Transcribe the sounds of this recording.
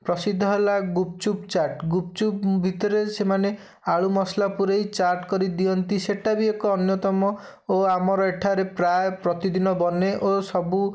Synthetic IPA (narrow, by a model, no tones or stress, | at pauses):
pɾɔsid̪ʱːɔɦelaɡup̚t͡ʃup̚t͡ʃaɾʈɡup̚t͡ʃup̚bʱit̪ɔɾesemane | aɭumɔslapuɾejt͡ʃaɾʈkɔɾid̪iɔnt̪iseʈabiekɔːnjɔt̪ɔmɔ | oamɔɾɔeʈʰaɾepɾaepɾɔt̪id̪inɔbɔneʔosɔbu